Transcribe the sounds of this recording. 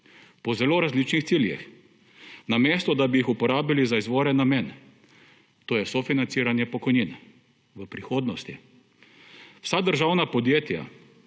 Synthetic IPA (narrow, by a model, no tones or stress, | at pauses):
pɔzɛloːɾazliːt͡ʃnixsiːljḭx | nameːst̪ɔd̪abiixupɔɾaːbilizaizʋoːɾɛnːamen | t̪oːjɛsofinant̪siːɾanjɛpɔkɔjnin | ʋəpɾixoːd̪nɔst̪i | w̥sad̪əɾʒawnapɔd̪jeːt̪ja̰